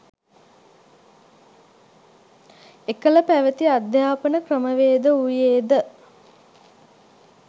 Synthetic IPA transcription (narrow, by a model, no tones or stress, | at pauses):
ekələpæʋət̪iad̪jaːpənəkrəməʋeːd̪əujeːd̪ə